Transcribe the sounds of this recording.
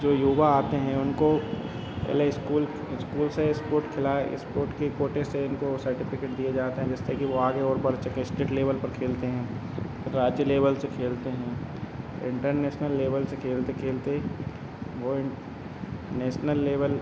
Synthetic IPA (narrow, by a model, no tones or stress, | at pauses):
d͡ʒoːjuːʋaaːt̪eɦɛ̃ʊnko | pɛ̰ːleɪskuːl | ɪskuːlseɪspoːɾʈkʰɪlaːɪ̰spoːɾʈkekoːʈeseɪnkosɐɾʈɪfɪkeːʈ̚d̪ijed͡ʒaːt̪eɦɛ̃d͡ʒɛst̪ekiʋoaːɡeɔːɾbɐɽt͡ʃɐkẽsʈeːʈleːʋəlpɐɾkʰeːlt̪eɦɛ̃ː | ɪɾːaːd͡ʒjəleːʋəlsekʰeːlt̪eɦɛ̃ː | ɪ̃ɳʈəɾneːʃnəlːeːʋəlsekʰeːlt̪ekʰeːlt̪eɦ | ʋoɪ | neːʃnəlːeːʋəl